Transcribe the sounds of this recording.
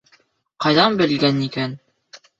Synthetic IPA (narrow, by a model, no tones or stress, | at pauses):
qɑjðɑnbɘ̆lɡænikæn